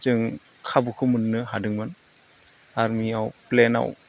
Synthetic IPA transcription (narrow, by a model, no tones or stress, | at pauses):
t͡ʃɯŋ | kʰabukʰɯmɯnːɯɦadɯŋmɯn | aɾmiawplɛna̰w